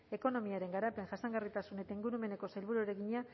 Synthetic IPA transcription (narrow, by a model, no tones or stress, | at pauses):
e̞ko̞no̞miaɾe̞ŋɡaɾape̞ŋʝasaŋɡarit̪asune̞t̪aiŋɡuɾume̞ne̞ko̞sajlβuɾueɾe̞ɣiɲa